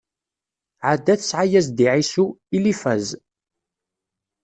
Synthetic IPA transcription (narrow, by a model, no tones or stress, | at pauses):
ʕad̪ːæθəsʕajæzd̪iʕisuilifæz